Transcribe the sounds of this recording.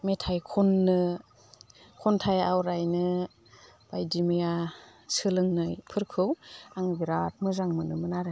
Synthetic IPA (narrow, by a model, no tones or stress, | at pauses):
metʰajkʰɔnːɯ | kʰɔntʰajawɾajnɯ | b̥ajdimijasɯlɯŋnɯjpʰɯɾkʰɯwaŋbiɾat̚mɯzaŋmɯnɯmɯnaɾe